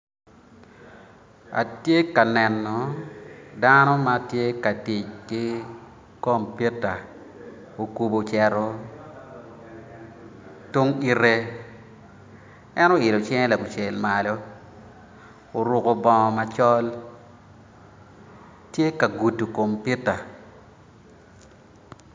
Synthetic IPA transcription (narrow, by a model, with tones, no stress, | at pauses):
a̰˨tje˦ka˨nɛ˨nːɔ˨ | da˦nɔ˦ma˦tje˦ka˨ti˨t͡ʃki˦ | ko˦˨mpi˦tːa˨ | o˨ku˨bo˨t͡ʃɛ˨ɾo˦ | tu˦ŋi˦ɾe˦ | ɛ˦no˦˨ɪ˨lo˨t͡ʃɛ˦ŋ˦la˨bu˨t͡ʃe˨lma˨lo˦ | o˨ɾʊ˨ko˨bɔ˨ŋɔ˨ma˨t͡ʃɔ˦l | tje˦ka˨ɡu˨tːu˨ko˨mpi˦ta˨